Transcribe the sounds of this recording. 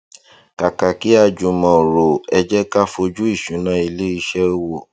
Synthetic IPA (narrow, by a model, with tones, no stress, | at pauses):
ka˨ka˨ki˨˦a˧d͡ʒu˨mɔ̃˨ɾo˨ɛ˧d͡ʒɛ˦ka˦fo˧d͡ʒu˦i˦˨ʃũ˨˦nã˧˦i˧le˦i˧ʃɛ˦o˦˧wo˦˨